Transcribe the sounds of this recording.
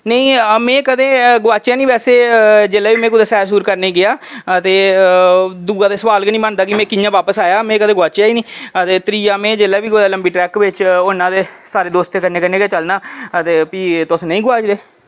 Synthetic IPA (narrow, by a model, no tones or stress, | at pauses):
nəĩːmẽːkəd̪ẽːɡʊaːt͡ʃjaːnĩːʋɛːseːd͡ʒeːlaːʋiːmẽːkʊːd̪aːsɛːɾsuːɾkəɾneiːɡɪaːət̪eː | d̪uːɡaːd̪eːsəʋaːlkːnĩːmənd̪aːkɪmẽːkɪnːjãːʋaːpəsaːjaːmẽːkəd̪ẽːɡʊaːt͡ʃaːiːnĩːət̪eːt̪ɾiːaːmẽːd͡ʒeːlaːʋiːkod̪aːləmbiːʈɾɛːkʋɪt͡ʃʊnãːd̪eːsaːɾeːd̪oːst̪eːkəɾneːkəɾneːɡaːt͡ʃəlnaːət̪eːpiːt̪ʊsnəĩːɡʊʋaːd͡ʒd̪eː